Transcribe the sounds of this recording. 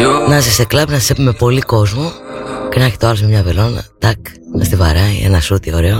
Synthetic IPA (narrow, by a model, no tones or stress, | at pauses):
nɐzist̪eklɐpnɐsi̥sepumepo̞liko̞zmoce̞nɐçi̥t̪oɐlsmemɲɐvelo̞nɐ̰t̪ɐk | ɐst̪ivɐɾɐḭḛnɐsut̪io̞ɾe̞o